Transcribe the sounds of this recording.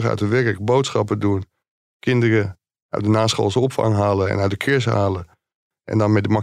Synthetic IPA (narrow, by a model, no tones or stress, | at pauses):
ɣœ̰ɥtəʋɛrkələk̚bowtsχɑpəduən | kʰɪndərə | ʔœ̰ɥ̚dənaːsχo̰ːlˠsɔpfɑ̰ŋɦaːləɛ̰naɥt̚dəkʰɪɹshaːlə | ʔɛ̰̃ndɔnmɛt̚dəma